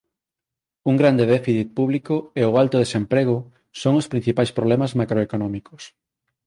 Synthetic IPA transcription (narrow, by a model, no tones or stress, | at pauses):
uŋɡɾand̪eðefiθit̪̚puβ̞likoeoalt̪oðesempɾeɣ̞o | soŋospɾĩn̟θipajspɾoβlɛmazmakɾoekonɔ̃miko̥s